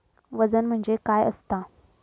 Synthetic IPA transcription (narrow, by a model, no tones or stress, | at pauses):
ʋəd͡zənm̤əɳd͡zekajə̰st̪a